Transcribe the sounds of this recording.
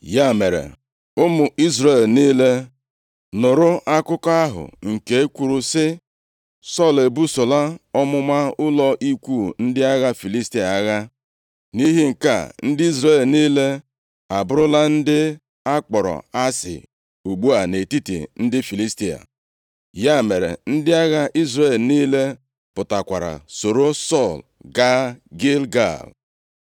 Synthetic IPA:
ja˦˨me˨ɾḛ˨ | ʊ˦mʊ˨ʔi˦zɾe˦˨lniː˦le˦ | nʊ˨ɾʊ˦ʔa˦kʊ˦kɔ˦a˦ɦʊ̰˨ŋ̩˨ke˨e˦kʷu˨ɾu˦sɪ˦ | sɔ˦˨le˨bu˦sʊ˨la˦ɔ˦mʊ˦ma˦ʊ˦lɔ˦ʔi˦kʷu˦˨n̩˦dɪ˦a˦ɣa˦fi˨li˦sti˦a˨a˦ɣa˦ | ni˦ɦɪ˦ŋ̩˨ka̰˦˨n̩˦dɪ˦i˦zɾe˨lniː˦le˦ | a˨bʊ˦ɾʊ˦la˦n̩˦dɪ˦ | a˦k͡pɔ˨ɾɔ̰˨a˦sɪ̰˨ | u˨ɡ͡bu˦a˨ne˨ti˦tḭ˨n̩˦dɪ˦fi˨li˦sti˦a̰˨ | ja˦˨me˨ɾḛ˨n̩˦dɪ˦a˦ɣa˦ʔi˦zɾe˨lniː˦le˦ | pʊ˨ta˨kʷa˨ɾa̰˨so˨ɾo˦sɔ˦˨l | ɡa˦ɡe˦lɡa̰˦˨l | s

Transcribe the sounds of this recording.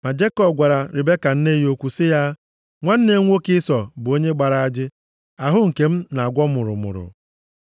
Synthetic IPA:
ma˨d͡ʒe˦kɔ˦˨b̚ɡʷa˨ɾa˨ɾɪ˨be˦ka˨n̩˦ne˦jo˦kʷu˨sɪ˦ja˦ | ŋʷa˦n̩˦ne˦ŋʷo˦kɪ˦sɔ˨bʊ˨o˦ɲe˦ɡ͡ba˨ɾa˨a˦d͡ʒɪ˦ | a˨ɦʊ˦ŋ̩˨ke˨m̩˦na˨a˨ɡʷɔ˦mʊ˨ɾʊ̰˨mʊ̰˨ɾʊ̰˨

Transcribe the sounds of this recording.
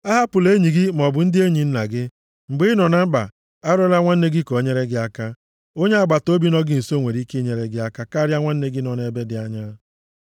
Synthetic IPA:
a˦ɦa˦pʊ˨le˦ɲi˨ɡɪ˦m˨ɔ˨bʊ˨n̩˦dɪ˦e˦ɲi˨n̩˦na˨ɡɪ˦ | ŋ͡m̩˨ɡ͡bi˦nɔ˨na˦m̩˦ɡ͡ba̰˨ | a˦ɾɔ˦la˦ŋʷa˦n̩˦ne˦ɡi˦ko˨˦ɲe˦ɾe˦ɡɪ˦a˦ka˦ | o˦ɲe˦a˦˨ɡ͡ba˨to˦bi˦nɔ˦ɡɪ˦n̩˨so˦˨ŋʷe˨ɾi˦ke˦ɲe˨ɾe˦ɡɪ˦a˦ka˦ka˦ɾja˦ŋʷa˦n̩˦ne˦ɡɪ˦nɔ˨ne˨be˦dɪ˨a˦ɲa˦

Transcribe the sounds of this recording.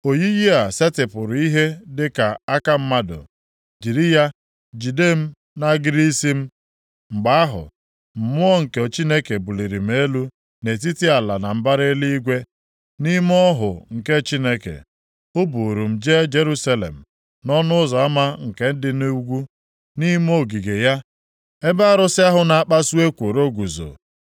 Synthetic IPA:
o˨ji˦ji˦a˨se˦tɪ˨pʊ˨ɾʊ˨i˦ɦe˦dɪ˦ka˨a˦ka˦m̩˦ma˦dʊ̰˨ | d͡ʒi˨ɾi˦ja˦ | d͡ʒi˨de˦˨m̩˦ | na˦ɡɪ˦ɾi˦si˦m̩˦ | ŋ͡m̩˨ɡ͡ba˦a˦ɦʊ̰˨ | m̩˨mʊ˦ɔ˦ŋ̩˨ke˨t͡ʃi˦ne˦ke˨bu˨li˨ɾi˨m̩˨˦e˦lu˦ | ne˨t̬i˦ti˦a˨la˨na˨m̩˦ba˦ɾe˦li˦i˦ɡʷe˦ | ni˦m˦ɔ˦ɦʊ̰˨ŋ̩˨ke˦t͡ʃi˦ne˦kḛ˨ | ʊ˦bu˨ɾu˨m̩˨d͡ʒe˦d͡ʒe˦ɾu˦sa˦lḛ˨m̩˨ | nɔ˦nʊ˦ʊ˦zɔ˨a˦ma˦ŋ̩˨ke˨n̩˦dɪ˨nu˦ɡʷu˦ | ni˦m˦o˦ɡi˨ɡe˨ja˦ | e˦ba˦a˦˨ɾʊ˦sɪ˦a˦ɦʊ˦na˨a˦k͡pa˦su˦e˦kʷo˨ɾo˦ɡʷu˨zo̰˨

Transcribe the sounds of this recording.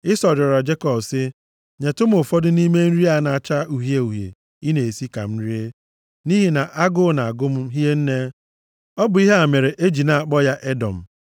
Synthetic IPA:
ɪ˦sɔ˨ɾɔ˨ɾa˨d͡ʒe˦kɔ˨bsɪ˦ | ɲe˨tʊ˦m˦ʊ˨fɔ˦dʊ˦ni˦me˦n̩˦ɾi˦a˨˦na˨a˨t͡ʃa˦u˨ɦje˦u˨ɦjḛ˨ | i˦ne˨e˨si˦ka̰˨m̩˦ɾi˦e˦ | ni˦ɦi˦na˨ʔa˦ɡʊ˦na˨a˨ɡʊ˦m̩˦ɦi˦e˦n̩˦ne˦ | ɔ˦bʊ˨i˦ɦe˦a˨me˨ɾe˨ʔe˦d͡ʒi˨na˨a˨k͡pɔ˦ja˦ʔe˦dɔ˨m̩˨

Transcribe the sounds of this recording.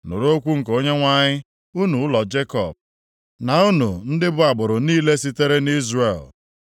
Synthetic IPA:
nʊ̰˨ɾo˦kʷu˦ŋ̩˨ko˦ɲe˦ŋʷa˦ɲɪ˦ | u˦nu˨ʊ˦lɔ˨d͡ʒe˦kɔ̰˨b̚ | na˨u˦nu˨n̩˦dɪ˦bʊ˦a˨ɡ͡bʊ˨ɾʊ˨niː˦le˦si˦te˦ɾe˦ni˦zrḛ˨l

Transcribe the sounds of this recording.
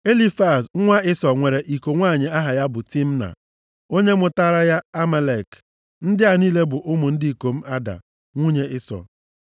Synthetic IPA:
e˦li˦fa˨sŋʷa˦ɪ˦sɔ˨ŋʷe˨ɾe˨ʔi˨ko˨ŋʷaː˦˨ɲɪ˨a˦ɦa˨ja˦bʊ˨ti˦m̩˦na̰˨ | o˦ɲe˦mʊ˨ta˦ɾa˦ja˦a˦me˨le˨k | n̩˦dɪ˦a˨niː˦le˦bʊ˨ʔʊ˦mʊ˨n̩˦di˦i˨ko˨m̩˦ʔa˦da̰˨ | ŋʷu˦ɲe˦ʔɪ˦sɔ̰˨

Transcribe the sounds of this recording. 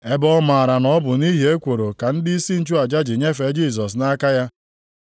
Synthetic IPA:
e˦bɔ˦ma˨ɾa˨nɔ˦bʊ˨ni˦ɦi˨˦e˦kʷo˨ɾo˨ka˨n̩˦dɪ˦i˦si˦n̩˦t͡ʃu˦a˨d͡ʒa˦d͡ʒɪ˨ɲe˦fe˨˦d͡ʒiː˦˨s̬ɔ˨s̬na˦ka˦ja˦

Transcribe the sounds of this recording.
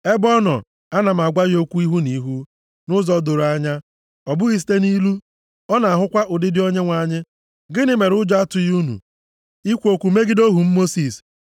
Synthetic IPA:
e˦bɔ˦nɔ̰˨ | a˦na˨m̩˨a˨ɡʷa˦ɣo˦kʷu˦i˦ɦu˦ni˨ɦu˦ | nʊ˦zɔ˦do˨ɾa˦ɲa˦ | ɔ˨bʊ˦ɣi˦s̬i̥˦te˦ni˦lu˦ | ɔ˦na˨a˨ɦʊ˦kʷa˦ʔʊ˨dɪ˦dɪ˦o˦ɲe˦ŋʷa˨ɲɪ˦ | ɡɪ˦nɪ˦me˨ɾʊ˦d͡ʒɔ˦a˦tʊ˨ju˦nṵ˨ | i˦kʷo˨kʷu˨me˦ɡɪ˦do˦ɦu˨m̩˦mo˦si˨s

